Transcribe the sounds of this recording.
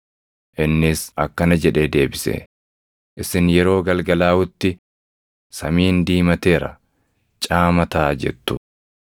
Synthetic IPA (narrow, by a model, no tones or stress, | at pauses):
ʔɪnːɪsɐkːɐnɐd͡ʒɛᶑe̞ːd̪e̞ːbɪsḛ | ʔɪsɪnjɛɾo̞ːɡɐlɡɐlaːʊt̪ːɪ | sɐmiːnd̪iːmɐt̪e̞ːɾɐ̰ | t͡ʃʼaːmɐt̪aːd͡ʒɛ̰t̪ːʊ